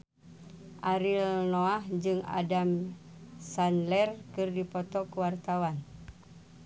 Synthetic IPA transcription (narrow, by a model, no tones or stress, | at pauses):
ʔaɾilnoahd͡ʒɨŋa̰dam | sanlɛrkɨrdipɔt̪ɔkuwart̪awan